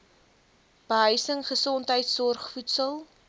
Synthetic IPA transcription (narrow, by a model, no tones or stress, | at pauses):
b̥əɦœɥsəŋχəsɔntɦəjtsɔrχfutsəlˠ